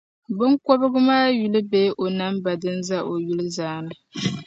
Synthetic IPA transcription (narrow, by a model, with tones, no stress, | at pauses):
bɨ˦ŋko˦bɨ˦ɡɨ˦maː˦ju˨lɨ˦beː˦ʔo˨na˦mba˨dɨ˦nza˦ʔo˨ju˦lɨ˦zaː˨˦˨nɨ˦